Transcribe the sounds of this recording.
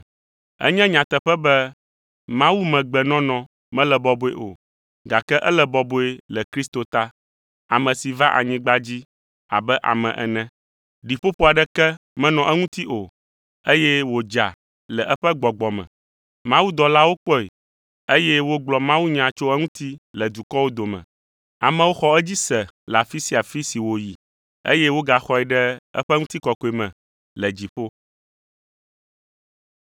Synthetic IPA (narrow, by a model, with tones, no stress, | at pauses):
ɛ̰˦ɲɛ̃˦ɲã˨t̪ɛ˨ɸɛ˦bɛ˦ | mã˦wu˦mɛ̃˨ɡ͡bɛ˨nɔ̃˦nɔ̃˨ | mɛ̃˦lɛ˨bɔ˨bo˦e˨ʔo̰˨ | ɡa˨kɛ˦ʔɛ˦lɛ˨bɔ˨bo˦e˦lɛ˨kɾi˦st̪o˨t̪a˦ | a̰˨mɛ̃˨si˨va˦ʔa̰˨ɲĩ˦ɡ͡ba˦d͡ʑi˦ | a̰˨bɛ˦ʔa̰˨mɛ̰̃˨ʔɛ̰˨nɛ̃˦ | ɖi˨ɸo˦ɸo˦a˨ɖɛ˦kɛ˦mɛ̃˦nɔ̃˨ʔɛ˦ŋũ˦t̪i˦ʔo˨ | e˦jɛ˦wo˨d͡ʒa̰˨ | lɛ˨ʔɛ˦ɸɛ˦ɡ͡bɔ˨ɡ͡bɔ˨mɛ̰̃˨ | mã˦wu˦d̪ɔ˨la˦wo˦k͡pɔ˦ḛ˨ | e˦jɛ˦wo˦ɡ͡blɔ˨mã˦wu˦ɲã˨t͡ʃo˦ɛ˦ŋũ˦t̪i˦lɛ˨d̪u˨kɔ˦wo˦d̪o˨mɛ̰̃˨ | a̰˨mɛ̃˦wo˦xɔ˦ɛ˦d͡ʑi˦sɛ˨la˨fi˦si˨a˨fi˦si˨wo˨ji˨ | ḛ˦jɛ˦wo˦ɡa˨xɔ˦ɛ˨ɖɛ˦ɛ̰˦ɸɛ˦ŋũ˦t̪i˦kɔ˨kɔ˨i˨mɛ̰̃˨ | lɛ˨d͡ʑi˨ɸo˦